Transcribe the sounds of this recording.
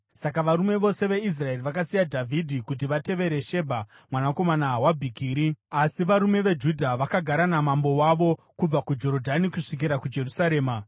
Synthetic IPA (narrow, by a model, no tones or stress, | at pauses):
sakaʋaɾume̞ʋo̞se̞ʋe̞is̬rae̞riʋakasijadʱavʱidʱikut̬iʋate̞ʋe̞ɾe̞ʃe̞bʱa | mwanako̞manaːwabʱikiːɾiasiʋaɾume̞ʋe̞d͡ʒudʱaʋakaɡʱaɾanamambo̞waʋo̞ | kub͡vakud͡ʒo̞ɾodʱanikuʂik̬iɾakud͡ʒe̞rusaɾe̞ːma